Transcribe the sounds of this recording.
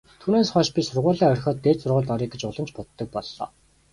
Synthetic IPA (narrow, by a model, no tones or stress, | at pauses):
t̪ʰuːneːsχɔːʃpʲisʊrʁʊːɮæːœrʲxʲɔːt̪ːeːt̪sʊrʁʊːɮt̪ɔɾiːɡet͡ɕʊɮə̆mt͡ɕpʊt̪ːə̆k̚pɔɮːɔ̰ː